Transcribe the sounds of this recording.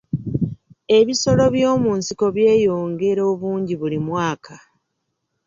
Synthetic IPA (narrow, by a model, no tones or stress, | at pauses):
e̞βiso̞lo̞βjo̞ːmuːnsiko̞βje̞ːjo̞ːŋɡe̞ɾo̞ːβuːɲɟiβulimwaːka